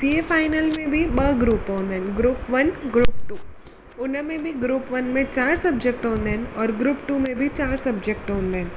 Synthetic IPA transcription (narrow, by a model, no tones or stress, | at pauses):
siefaːɪnəlmẽbʱibɐɡɾuːpɦõːnd̪ɦɛnɡɾuːpʋɐnɡɾuːp̚ʈuː | ʊnmẽbʱiɡɾuːpʋənmẽt͡ʃaːɾsɐbd͡ʒek̚ʈɦõːnd̪eɦɛnɔːɾɡɾuːpʈuːmẽbʱit͡ʃaːɾsɐbd͡ʒek̚ʈɦõːnd̪ɦn